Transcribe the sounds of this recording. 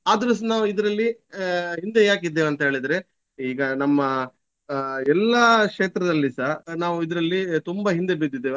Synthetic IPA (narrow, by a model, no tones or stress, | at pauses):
aːd̪ɾɐsnaːʋuid̪ɾɐlːiɦind̪ejaːk̬id̪ːeʋɐnt̪ɐɦe̞ːɭid̪ɾe | iːɡɐnɐmːɐ | ɛlːɐkʂeːt̪ɾɐd̪ɐlːisaːnaːʋuid̪ɐɾɐlːit̪umbɐɦind̪ebid̪ːid̪ːeːʋ